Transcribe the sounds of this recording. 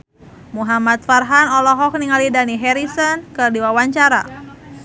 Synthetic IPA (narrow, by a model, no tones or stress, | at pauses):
muɦamat̪̚farɦanɔlɔɦɔk̚niŋalidaniɦɛɾisɔnkɨrdiwawaɲt͡ʃaɾa̰